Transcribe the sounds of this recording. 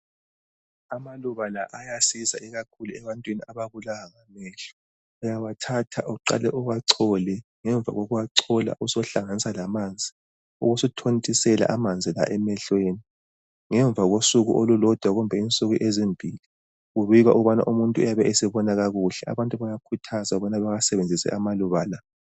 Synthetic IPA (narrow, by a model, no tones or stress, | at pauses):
amaluβalaʔajasiza̰ɛɣakʰuluɛβantʼwiniaβaβulaaɣamɛːɬu̥ | ujawatʰatʰa̰ʔuǀa̰lɛʔuɣwaǀʰɔlɛŋɛɱb̪vʱa̰ɣoɣuwaǀʰɔla̰ʔusɔɬaŋanisalamaːnd͡zʱi | ṵɣusutʰontʼisɛla̰ʔamand͡zʱila̰ʔɛmɛɬweːni | ŋɛɱb̪vʱaɣosuɣṵʔolulɔd̥ʱwaɣumbʱɛint͡sʼuɣiʔezimbʱiːli | ɣuβiɣwaʔuuβana̰ʔumuntʼuṵjaβɛesiβɔnaɣaɣuɬɛa̰βantʼuβajakʰutʰazauβɔnaβaɣasɛβend͡zʱisɛ̰ʔamaluβala